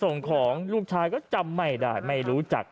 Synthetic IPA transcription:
so˨˩ŋkʰɔː˩˦ŋluː˥˩k̚t͡ɕʰaː˧˥jkɔː˥˩t͡ɕa˧mːa˥˩jdaː˧˩jma˥˩jɾuː˦˥t͡ɕa̰˨˩k̚

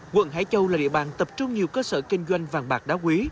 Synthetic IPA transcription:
kwə̰˧˥˨nɦa̰ː˧˥jt͡ɕə˧wlaː˨˩ɗḭ˧˨əɓaː˨˩nt̪ə˨˩p̚t͡ɕʊ˧ŋ͡mɲi˨˩əwkəː˧səː˧˩kï˧ŋ̟zwa˧jŋ̟vaː˨˩nɓaː˨˩k̚ɗaː˨˦wkwi˨˦

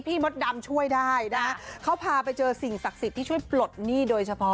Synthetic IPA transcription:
pʰiː˥˩mo˦˥t̪̚da˧mt͡ɕʰu˥˩əjdaː˥˩jna˦˥kʰa˦˥kʰa˦˥wpʰaː˧pa˧jt͡ɕɤː˧si˨˩ŋsa˨˩k̚si˨˩t̪ʰːiː˥˩t͡ɕʰu˥˩jplo˨˩t̪̚niː˥˩doː˧jt͡ɕʰa˧pʰɔ˦˥

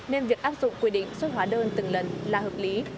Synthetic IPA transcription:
ne˧nvi˨˩ək̚ʔaː˦˥p̚zʊ̰˧˨ŋ͡mkwi˧˩ɗḭ̈˧˨ŋ̟sə˦˥t̚ɦwaː˨˦ɗəː˧nt̪ɨ˨˩ŋlə˨˩nlaː˨˩həː˨˩p̚li˨˦

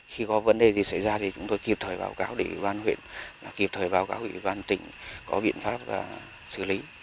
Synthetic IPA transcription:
xi˧kɔ˨˦və˨˦nɗe˨˩t̪i˨˩sa˧˩jzaː˧t̪ʰi˨˩t͡ɕʊ˨˦ŋ͡mt̪o˧jki˨˩əp̚t̪ʰəː˨˩jɓa̰ː˨˦wkaː˨˦wɗe˧˩ʔḭ˧˩ɓaː˧nhwḭ˧˨ənvaː˨˩ki˨˩p̚t̪ʰəː˨˩jɓaː˨˧˦wkaː˨˦wʔi˧˩ɓaː˧nt̪ï˧˩ŋ̟kɔ˨˦ɓḭ˧˨ənfaː˦˥p̚va̰ː˨˩ | sɨ̰˧˩li˨˦

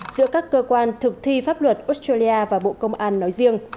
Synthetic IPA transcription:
zɨ̰˧˥əkaː˦˥kːəː˧kwaː˧nt̪ʰɨ˨˩k̚t̪ʰi˧faː˦˥p̚lwə˨˩t̚ʔo˦˥s̚taː˧li˧ʔaː˧vaː˨˩ɓo̰˧˨kə˧wŋ͡mʔaː˧nːɔ˨˦jzi˧əŋ

